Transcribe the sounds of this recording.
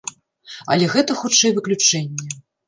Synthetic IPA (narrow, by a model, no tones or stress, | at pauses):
ɐ̰lʲɛɣɛt̪ɐxutt͡ʂɛjvɨklʲut͡ʂɛnʲːɛ